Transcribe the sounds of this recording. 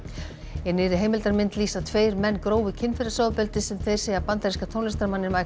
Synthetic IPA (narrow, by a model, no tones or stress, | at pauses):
jɛnɪːɾɪɦeːjmɪlt̪aɾmɪnt̪liːsat̪ʰveːjɾmɛnːkɾoːwvɪcʰɪnfɪɾɪsɔwðpɛlt̪ɪsɛmθejɾ̥seːjapant̪aɾiskat̪ʰownɛst̪ɾamanːɪɾmaj